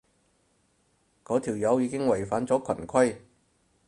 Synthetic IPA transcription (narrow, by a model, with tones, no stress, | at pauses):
kɔː˨˥t̪ʰiː˨˩wjɐ˨˥wjiː˨˧kɪ˥ŋwɐ˨˩jfaː˨˥nt͡sɔː˨˥kʰɐ˨˩nkʰɐ˥j